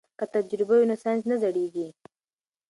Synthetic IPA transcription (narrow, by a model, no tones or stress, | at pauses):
kat̪ad͡ʒɾɪbajonasɑjnznazaɽeɡi